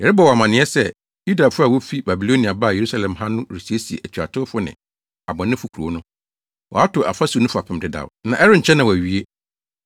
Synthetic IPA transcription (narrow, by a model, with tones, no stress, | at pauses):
jɛ˨ɾɪ˦bɔ˨wɔ˨a˨mã˨nɪ̃˨˦ɛ˦sɛ˦ | ju˦da˨fʊ˦a˨wo˦fi˦ba˨bi˨lo˦nĩ˨a˨ba˦˨je˨ɾu˦sa˦˨lɛ̃˨mhã˦nʊ̃˦ɾi˨si˨˦e˦si˨ḛ˨ʔæ˨t͡ɕʰᶣa̰˨tʰʊ˦fʊ˦nɪ̰̃˨ | a˨bɔ̃˨nɪ̃˦fʊ˨kʰu˨ɾu˨˦nʊ̃˦ | wɔ̰˨a˦tʰʊ˨ʔa̰˨fa˦su˨nʊ̃˦fa˨pʰɪ̃˦m˨dɪ˨da̰˨nã˨ʔɛ˦ɾɪ˦ɲ̩˨t͡ɕʰɛ˦nã˨wɔ˨æ˨ɥi˦e˦